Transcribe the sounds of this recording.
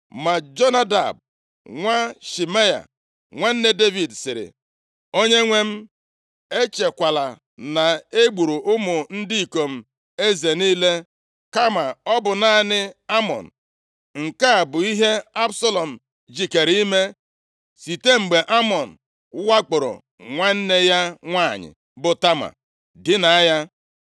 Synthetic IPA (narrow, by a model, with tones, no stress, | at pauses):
ma˨d͡ʒo˦na˦da̰˨b̚ | ŋʷa˦ʃi˨me˦ja̰˨ | ŋʷe˦n̩˦ne˦de˦vi˨dsɪ˨ɾɪ̰˨ | o˦ɲe˦ŋʷe˦m̩˦ | e˦t͡ʃe˨kʷa˨la˨ | na˨e˦ɡ͡bu˨ɾu˨ʔʊ˦mʊ˨n̩˦di˦˨ko˨m̩˨ | e˦ze˨niː˦le˦ | ka˦ma˨ɔ˦bʊ˨na˦nɪ˦a˦mɔ̰˨n̩˨ | ŋ̩˨ka˦˨bʊ˨i˦ɦe˦a˦bsɔ˦lɔ˨m̩˨ | d͡ʒi˨ke˨ɾi˦me˦ | si˨te˦ŋ͡m̩˨ɡ͡be˨ʔa˦mɔ˨n̩˨˦ | wa˦k͡pʊ˨ɾɔ̰˨ | ŋʷa˦n̩˦ne˦ja˦ŋʷa˦˨ɲɪ̰˨ | bʊ˨ta˦ma̰˨ | dɪ˦na˨a˦ja˦